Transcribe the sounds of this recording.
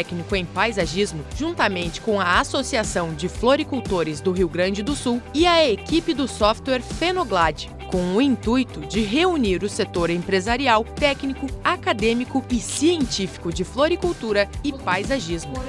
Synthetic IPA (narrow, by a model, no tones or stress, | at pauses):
ɛknikʊẽj̃pajzaʒizmʊʒ̥ũnt̪ɐmẽnt͡ʃɪ̥kõɐasosiasɐ̃w̃d͡ʒɪfloɾikuwt̪oɾɪzd̪ʊɦiwɡɾɐ̃nd͡ʒɪd̪ʊsuwɪɐekipɪd̪ʊsɔft̪wɛɾfenoɡlad͡ʒɪ | kõw̃ʊĩnt̪ujt̪ʊd͡ʒɪɦeuniɾʊset̪oɾẽpɾezaɾiawt̪ɛknikʊakad̪ẽmikʊɪsiẽnt͡ʃifi̥kʊd͡ʒɪfloɾikuwt̪uɾɐɪpajzaʒizmʊ